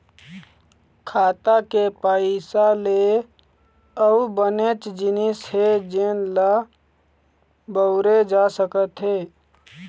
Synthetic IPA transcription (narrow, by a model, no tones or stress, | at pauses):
kʰaːt̪akepaɪsale | əubənet͡ʃd͡ʒɪnɪshed͡ʒenla | bəʊɾed͡ʒasəkət̪ɦeː